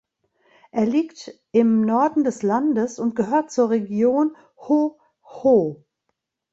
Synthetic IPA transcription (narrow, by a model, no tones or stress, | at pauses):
ʔeːɐliːkt | ʔɪmnɔɐdn̩dɛslandəsʊnt̚ɡ̥əɦøːɐt̚t͡suːɐʁeɡjoːn | ho | ho